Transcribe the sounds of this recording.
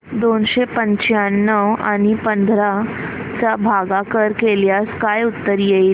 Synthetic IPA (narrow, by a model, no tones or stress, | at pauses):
d̪onɕepəɲt͡ɕjanːəʋa̰ɽ̃ipənd̪ʱɾat͡sabʱaɡakəɾkeljaskajut̪ːəɾjei